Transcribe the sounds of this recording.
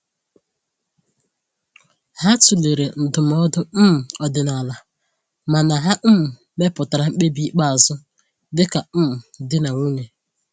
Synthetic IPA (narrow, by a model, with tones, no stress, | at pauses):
ha˦tu˨le˨ɾe˨n̩˨dʊ˨m˦ɔ˦dʊ˦m̩˦m̩˨ɔ˨dɪ˨na˨la˨ | ma˨na˨ɦa˦m̩˦m̩˨ | me˦pʊ˨ta˨ɾa˨ŋ͡m̩˦k͡pe˦bi˦k͡pa˦a˨zʊ˦ | dɪ˦ka˨m̩˦m̩˨dɪ˦na˨u˦ɲe˨